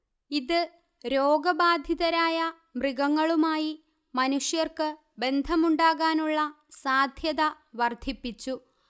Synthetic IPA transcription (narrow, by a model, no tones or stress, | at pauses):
iðɨ | ɾoːɡɐbaːd̪ʱjiðɐɾaːjɐ | mriɡɐŋːɐɭumaːji | mɐnuʂjɐrkɨ | be̞nd̪ʱɐmuɳɖaːɣaːnuɭːɐ | saːd̪ʱjɐðɐ | ʋɐrd̪ʱipːit͡ɕːu